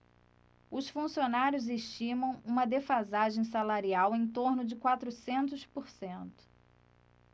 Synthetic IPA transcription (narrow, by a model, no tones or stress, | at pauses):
ʊsfũsionaɾjʊzeʃt͡ʃĩmɐ̃w̃ũmɐd̪efazaʒẽj̃salaɾiawẽj̃t̪oɾnʊd͡ʒɪkwat̪ɾʊsẽnt̪ʊspʊɾsẽnt̪ʊ̥